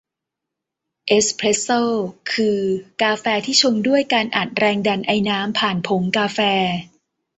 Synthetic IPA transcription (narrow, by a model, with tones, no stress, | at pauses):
ʔe˦˥spʰɾe˦˥sɤː˥˩kʰɯː˧kaː˧fɛː˧t̪ʰiː˥˩t͡ɕʰo˧mdu˥˩əjkaː˧nʔa˨˩t̪̚ɾɛː˧ŋda˧nʔa˧jnaː˦˥mpʰaː˨˩npʰo˩˦ŋkaː˧fɛː˧